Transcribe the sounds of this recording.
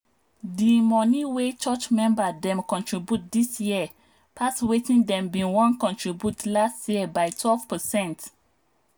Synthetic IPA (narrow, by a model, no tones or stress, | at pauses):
dimɔniwet͡ʃɔt͡ʃmɛ̃mbadɛ̃mkɔ̃ntɹibjut̚disjiə | pʰaswetĩndɛ̃mbĩnwɔ̃nkɔ̃ntɹibjutlastjiəbajtʰwɛlv̥pəsɛ̃nt